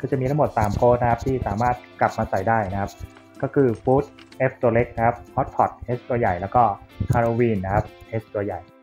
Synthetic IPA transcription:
kʰɯː˧˩t͡ɕa˨˩mi˧a˦˥ŋmo˨˩t̪̚saː˩˦mkoː˦˥t̪̚na˦kʰa˦˥p̚t̪ʰiː˥˩saː˩˦maː˥˩t̪̚kla˨˩p̚maː˧sa˨˩jdaː˥˩jna˦˥kʰa˦˥p̚ | kɔː˥˩kʰɯː˧fuː˦˥t̪̚ʔeː˦˥p̚t̪u˧ɐle˦˥k̚na˦˥kʰa˦˥p̚hʰɔ˦˥t̪̚pʰɔ˨˩t̪̚ʔeː˦˥s̚t̪u˧ɐja˨˩jlɛː˦˥wkɔː˥˩ʔʰaː˧ɾoː˧wiː˧nːa˦˥kʰa˦˥p̚ʔeː˦˥s̚t̪u˧ɐja˨˩j

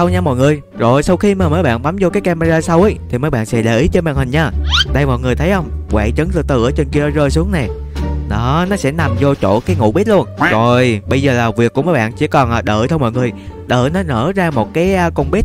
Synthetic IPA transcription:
sə˧wɲa˧mɔ̰˧˨jŋɨ˨˩əj | zo˨˩jsa˧wxi˧maː˨˩məː˨˦jɓa̰ː˧˨nɓa˨˦mzo˧kaː˨˦jka˧ma˧zaː˧sa˧wʔə˨˦jt̪ʰi˨˩məː˨˦jɓa̰ː˧˨nsɛ̰˧˥ɗe˧˩ʔi˨˦t͡ɕɔ˧ɓa̰ː˧˨nhï˨˩ŋ̟ɲaː˧˩ɗə˧jmɔ̰˧˨jŋɨ˨˩əjt̪ʰə˨˦jʔə˧wŋ͡mkwa̰ː˧˨t͡ɕə˨˦ŋzɨ˧t̪ɨ̰˨˩ʔəː˨˦t͡ɕe˧nki˧əɗɔ˨˦zəː˧jsu˨˦əŋnɛ˨˩ɗɔ˨˦nɔ˨˦sɛ̰˧˥na˨˩mzɔ˧t͡ɕo̰˧˩˨kaː˨˦jŋṵ˧˥ɓi˦˥t̚lu˧ənzo˨˩jɓə˧jzəː˨˩laː˨˩vi˨˩əkːu˧˥məː˨˦jɓa̰ː˧˨nt͡ɕḭ˧˥əkɔ˨˩nʔaː˨˩ɗəː˧˩t̪ʰə˧wmɔ̰˧˨jŋɨ˨˩əjɗə̰ː˧˨nɔ˨˦nə̰ː˧˥zaː˧mo˨˩t̚kaː˨˦jkə˧wŋ͡mɓi˦˥t̚

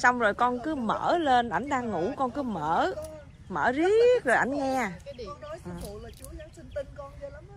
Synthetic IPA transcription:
sa˧wŋ͡mzo˨˩jkɔ˧nkɨ˨˦mə̰ː˧˩le˧nʔa˧˩jŋ̟ɗaː˧ŋːu˧˥kɔ˧nkɨ˨˦məː˧˩˥ | mə̰ː˧˩zi˦˥k̚zo˨˩jʔa̰˧˩jŋŋɛ˧˨˩ʔɨ˨˩˨

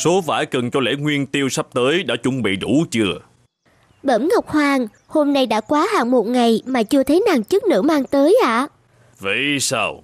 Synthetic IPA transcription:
so˨˦va̰ː˧˩jkə˨˩nt͡ɕɔ˧lḛ˧˥ŋwi˧ənt̪i˧əwsa˦˥p̚t̪əː˨˦jɗa̰ː˧˥t͡ɕʊ˨˦ŋ͡mɓḭ˧˨ɗu˧˩t͡ɕɨ˧ə | ɓə˧˩mŋa˨˩wk͡p̚hwaː˧˩ŋ | ho˧mna˧jɗa̰ː˧˥kwaː˨˦ɦaː˧˨ŋmo˨˩t̚ŋa˨˩jmaː˨˩t͡ɕɨ˧ət̪ʰə˨˦jnaː˨˩ŋt͡ɕɨ˦˥k̚nɨ̰˧˥maː˧ŋt̪əː˨˦jʔa̰ː˧˨ | vḭ˧˩jsaː˧w

